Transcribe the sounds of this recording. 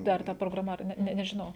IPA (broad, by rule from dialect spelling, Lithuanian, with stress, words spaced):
ˈdɐr tɐ proːɡrɐˈmɐ ɐr ˈnʲɛ ˈnʲɛ nʲɛʒʲɪˈnɐʊ